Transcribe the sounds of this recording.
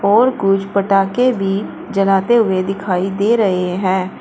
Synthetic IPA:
ɔːɾkʊd͡ʒpəʈaːkebʱi | d͡ʒɐlaːt̪eɦʊed̪ɪkʰaːid̪eːɾɐɦeɦɛ̃ː

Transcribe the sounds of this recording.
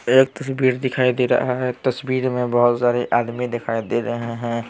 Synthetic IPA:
eːk̚t̪ɐsbiːɾd̪ɪkʰaːid̪eːɾɐ̰ɦaɦɛt̪ɐsbiːɾmẽbɐɦʊt̪saːɾeʔaːd̪mid̪ɪkʰaːid̪eːɾɐɦeɦɛ̃ː

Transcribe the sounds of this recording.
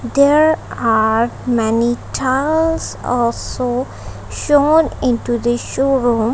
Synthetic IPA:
d̪eɾaɾmɛniʈʰaɪlzɔ̰ːlso | ʃõːnɪ̃nʈud̪əʃoːɾũːm

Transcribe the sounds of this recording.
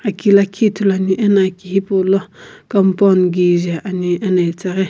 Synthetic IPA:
akilakʰitulaniʔenakihipolɔkampɔnɡid͡ʒaʔaniɛnat͡saɣe

